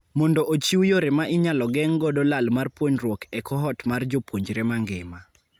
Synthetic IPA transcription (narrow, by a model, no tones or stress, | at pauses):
mɔndɔʔot͡ʃiwjoɾemaʔɪɲalɔɡɛŋɡɔdɔlalmarpwoɲrwɔkɛkɔɦɔtmard͡ʒopwoɲd͡ʒɾemaŋɡɪma